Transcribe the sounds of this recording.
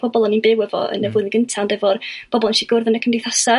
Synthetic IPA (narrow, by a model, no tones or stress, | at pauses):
b̥ɔbɔlˠɔninbewɛvɔ̰ə̰nəvʊɨnəɡəntʰandɛvɔrb̥ɔbɔlˠɛnʃiɡʊrðənəkʰəmdɪθasa